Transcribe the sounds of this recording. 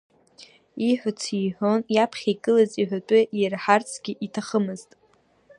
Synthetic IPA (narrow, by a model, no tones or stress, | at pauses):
iħʷᶣat͡sʰiħʷonjapʰχʲakʼɨlaziħʷat͡pʼʊɪrħart͡sʰɡʲɪʔitʰaχəmɨztʼ